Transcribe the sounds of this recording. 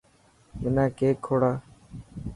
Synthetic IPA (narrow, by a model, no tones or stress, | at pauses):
mɪnãːkeːkʰːoːɽaː